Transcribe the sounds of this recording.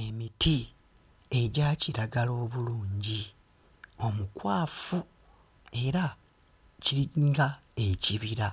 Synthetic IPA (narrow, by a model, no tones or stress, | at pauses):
e̞miti | e̞ɟaːciɾaɡalo̞ːβuluːɲɟi | o̞mukwaːfu | e̞ɾa | ciɾiŋɡae̞ciβiɾa